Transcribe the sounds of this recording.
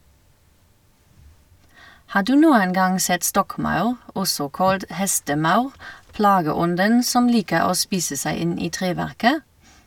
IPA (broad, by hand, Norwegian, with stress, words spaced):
ˈhɑː ˈdʉː ˈnuːən ˈɡɑŋ ˈsɛt ˈstɔkˌmɑʉʁ ˈɔsɔ ˈkɑlt ˈhɛstəˌmɑʉʁ ˈplɑːɡəˌɔndən ˈsɔm ˈliːkəʁ ˈoː ˈspiːsə ˈsæɪ ˈɪn ˈiː ˈtʁeːˌʋæʁkə